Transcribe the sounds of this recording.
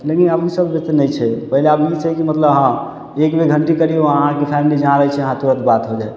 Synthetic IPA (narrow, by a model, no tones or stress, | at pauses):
lekinəpnisəbbet̪nəjt͡ʃʰɛpəɦileəbit͡ʃʰɛkimət̪ləbɦã | ekbeɡʱəɳʈikəɾioəɦãkepʰɛmilid͡ʒãɾəɦɛt͡ʃʰɛəɦãt̪uɾət̪bat̪ɦod͡ʒae